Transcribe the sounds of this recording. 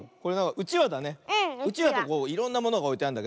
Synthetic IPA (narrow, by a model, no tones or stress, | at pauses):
ko̞ɾeãŋkaʔɯ̟t͡ɕiβad̪ane̞ɯ̟t͡ɕiβad̪ako̞ːiɾõ̞nːamo̞noɡao̞it̪eand̪ake